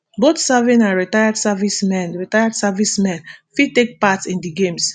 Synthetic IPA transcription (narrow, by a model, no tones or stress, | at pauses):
botsɛvĩnãnɹitajadsavismɛ̃nɹitajadsavismɛ̃nfitek̚patĩndiɡẽms